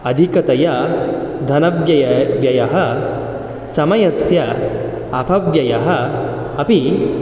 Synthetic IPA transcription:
ɐd̪ʱikɐt̪ɐjɐd̪ʱɐnɐbjɐjɐʋjɐjɐɦɐ | sɐmɐjɐsjɐ | ɐpʰɐʋjɐjɐɦɐː | pi

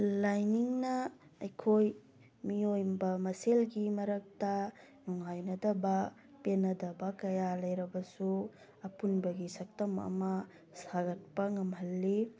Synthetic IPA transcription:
lajniŋnɐɐjkʰoj | miojbɐmɐselɡimɐɾɐk̚tɐnuŋajnɐdɐbɐ | penɐdɐbɐkɐjalɐjɾɐbɐsu | ɐpunbɐɡisɐk̚tɐmɐ̰mɐ | saɡɐt̚pɐŋɐmɦɐlːi

